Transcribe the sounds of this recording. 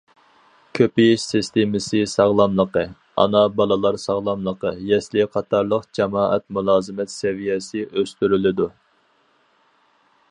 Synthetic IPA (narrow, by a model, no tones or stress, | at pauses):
kʲʰøpɪʃsɪst̪ʰemɪsɨsɑʁlˠɑmlˠəqə | ɑ̰nɑbɑlˠɨlˠɑɾsɑʁlˠɑmlˠəqəjɛslɪqʰɑt̪ʰɑɾlˠəqd͡ʒɛmɑːʔɛ̰t̪mulˠɑːzɨmɛt̪sɛvijɛsɪʔøst̪yɾylɪd̪u